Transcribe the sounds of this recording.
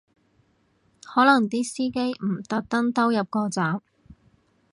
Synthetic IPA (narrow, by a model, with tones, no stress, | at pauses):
hɔː˨˥lɐ˨˩ŋt̪iː˥siː˥ke˥jm̩˨˩t̪ɐ˨k̚t̪ɐ˥ŋt̪ɐ˥wjɐ˨p̚kɔː˧t͡saː˨˥m